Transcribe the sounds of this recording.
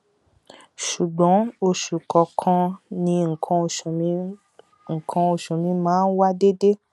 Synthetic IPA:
ʃu˨ɡ͡bɔ̃˨˦o˧ʃu˨kɔ˨kʰã˧nĩ˧ŋ̩˨kʰã˧˨˧ | ŋ̩˨kʰã˧o˧ʃũ˨mĩ˧mãː˨˦n̩˦wa˦de˦de˦

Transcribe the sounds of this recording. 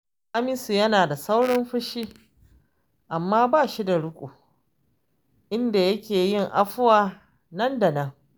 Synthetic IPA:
ʔa˦mɪ˦su˨jɐ˦naː˨da˨sa˦wɽɐ˦mɸʊ˦ʃi˦ | ʔa˨mːaː˦baː˦˨ʃi˦da˨ɽʊ˦kʷʼṵː˨ | ʔɪ˦nda˨jɐ˦kʲʰeː˨jɪ˦ŋʔa˦ɸʊ˦waː˨ | nɐ˦nda˨nɐ˦ŋ

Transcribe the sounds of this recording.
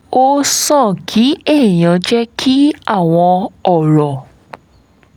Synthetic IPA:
o˦sɔ̃˦˨kʰi˨˦e˦˨j̃ã˨˦d͡ʒɛ˦kʰi˦a˦˨w̃ɔ̃˧ɔ˦˨ɾɔ˨

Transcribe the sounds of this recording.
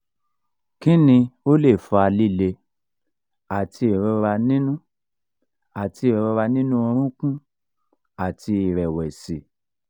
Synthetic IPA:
kĩ˦nĩ˧o˦le˦˨fɔ˧a˧li˦˨le˧ | a˨ti˧i˨ɾɔ˧ɾa˧nĩ˦nũ˦ | a˨ti˧i˨ɾɾɔ˧ɾa˧nĩ˦nũ˦ɔ̃˧ɾ̃ũ˦kũ˦ | a˨ti˧i˨ɾɛ˨wɛ˨si˨

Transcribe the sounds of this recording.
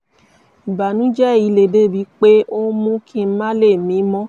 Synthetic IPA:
i˨ba˨nũ˨˦d͡ʒɛ˦˨i˨˧le˨de˦˨bi˨˦k͡pe˦o˦mũ˦kʰĩ˧˦mã˦le˦˨mĩ˨˦mɔ̃˦

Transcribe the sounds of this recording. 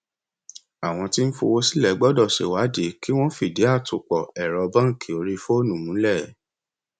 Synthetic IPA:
a˨w̃ɔ̃˧ti˦n̩˦fo˧wo˦si˦lɛ˨˦ɡ͡bɔ˦dɔ˦˨ʃḛ˨wa˨˦de˨˦ki˦w̃ɔ̃˦fi˦˨de˨˦a˦˨tu˨k͡pɔ˨ɛ˨ɾɔ˧bã˦˨kʰi˨o˧˦ɾi˧fo˦nũ˨mũ˨˦lɛ˦˨

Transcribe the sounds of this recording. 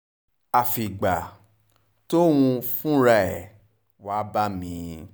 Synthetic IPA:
a˨fi˨ɡ͡ba˨ | to˦wũ˧fũ˦ɾa˦ɛ˨ | wa˨˦ba˦mĩ˧˦

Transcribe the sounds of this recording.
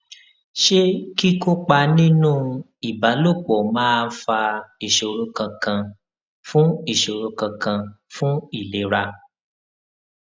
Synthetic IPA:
ʃe˦ki˦ko˦k͡pa˧nĩ˦nũː˦ | i˨ba˨˦lo˦˨k͡pɔ˨mãː˦fa˧i˦˨ʃo˨ɾũ˧kã˧kã˧ | fũ˦i˦˨ʃo˨ɾũ˧kã˧kã˧fũ˦i˦˨le˨ɾa˧

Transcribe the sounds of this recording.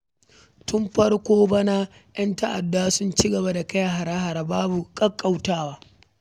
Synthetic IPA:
tʊ˦mɸɐ˦rkʷoː˦bɐ˦naː˦ | j̰ɐ˦ntɐ˦ʔa̰˨dːaː˦sʊ˦nt͡ʃi˦ɡɐ˨ba˦da˨kɐ˦ja˨ɦa˨ɾaː˦ha˨ɾa˨baː˦bu˨kʼɐ˦kʼːa˦˨wtaː˦waː˦

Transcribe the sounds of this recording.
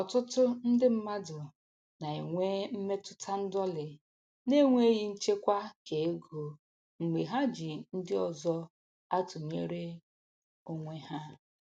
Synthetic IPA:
ɔ˨tʊ˦tʊ˦n̩˦dɪ˦m̩˦ma˦dʊ˨ | na˨e˨ŋʷe˦m̩˦me˦tʊ̥˦tʰa˦n̩˦dɔ˦lɪ˨ | ne˦ŋʷe˦ɣi˦n̩˦t͡ʃe˦kʷa˦ke˨e˦ɡo˨ | ŋ͡m̩˨ɡ͡be˨ɦa˦d͡ʒi˨n̩˦dɪ˦ɔ˨zɔ˦ | a˦tʊ˨ɲe˦ɾe˦ | o˦ŋʷe˦ɦa˦

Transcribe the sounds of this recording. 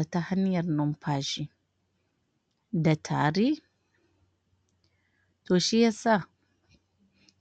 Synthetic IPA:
a˨ta˦ha˦ni˦ja˨ɾno˨mpʰa˨ʒi˨ | da˨tʰa˨ɾi˦ | to˨ʃi˦ja˦sa˦

